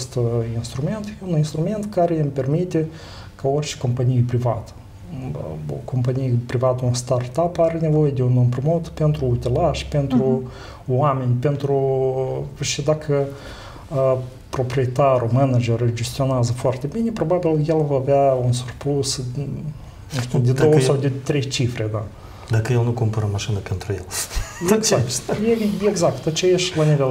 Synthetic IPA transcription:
st̪inst̪ɾumʲe̞nt̪jeuninst̪ɾume̞nt̪kaɾeɨmpʲe̞rmit̪ʲe | kaorʲt͡ʃe̥ko̞mpanʲijpɾivat̪ə̥ | o̰ko̞mpanijepɾivat̪əunst̪art̪apaɾʲene̞vo̞jed̪ʲeunɨmpɾimot̪pent̪ɾuːt̪ʲilaʃpent̪ɾu | wamʲe̞nʲpent̪ɾu | ʃid̪akʰə | pɾo̞pɾijet̪aɾumənad͡ʒeɾɨd͡ʒe̞st̪io̞neazəfoart̪ebinʲepɾo̞babiljelvaːveaunsurpus | nuʃt̪ud̪ed̪owəsawd̪et̪ɾe̞jt͡ʃifɾe̞d̪a | d̪akəjelnukumpəɾəmaʃinəpent̪ɾujel | akjeeɡzakt̪at͡ʃejaʃlanivel

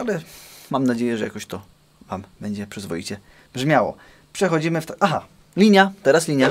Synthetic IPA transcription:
alɛmamnad͡ʑejɛʐɛja̰kɔɕt̪ɔ | vambɛɲd͡ʑɛpʂɛzvɔjḭt͡ɕɛ | bʐmʲjawɔ̰ | pʂɛxɔd͡ʑimɘft̪aʔaxa | lʲiɲjat̪ɛɾaslʲiɲja

